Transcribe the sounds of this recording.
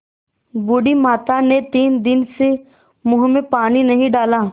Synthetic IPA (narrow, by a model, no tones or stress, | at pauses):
bʊɽimaːt̪anet̪iːnd̪ɪnse | mʊɦmẽpaːninɐɦĩɖaːlaː